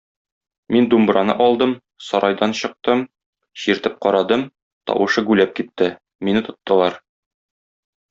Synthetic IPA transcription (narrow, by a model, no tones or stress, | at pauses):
mind̪umbɾɑnɤ̰ʔɒlˠd̪ɤm | sɒɾʔɑjd̪ɑnɕɤ̆q̚t̪ɤm | ɕiɾt̪ɘp̚qɒɾɑd̪ɤm | t̪ɒ̰wʔɤ̆ʃɤɡʉlæp̚kit̪ːɘ | minɘt̪ŏt̪ːɤ̆lˠɑɾ